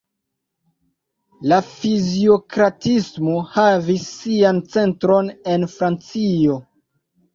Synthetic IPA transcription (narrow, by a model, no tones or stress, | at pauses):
lafizio̞kɾatismo̞havisːiant͡se̞ntɾo̞ne̞nfɾant͡sio̞